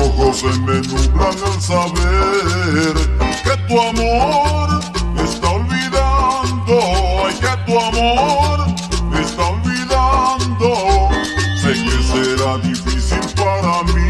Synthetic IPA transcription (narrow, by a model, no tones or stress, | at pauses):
oɣozemenuɣɾaŋalsaβe | ɾket̪uamoɾest̪aolβiðand̪oket̪uamoɾ | est̪aolβiðand̪o | seŋkeseɾaðifisilpaɾami